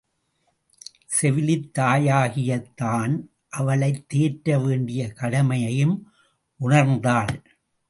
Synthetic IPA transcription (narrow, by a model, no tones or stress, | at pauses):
sɛʋɪlɪt̪ːaːjaːɣɪjɐt̪ːaːn | ʔɐʋɐɭɐɪt̪ːeːʈːɾɐʋeːɳɖɪjɐkɐɽɐmɐjɐjɯm | ʔʊɳɐɾnd̪aːl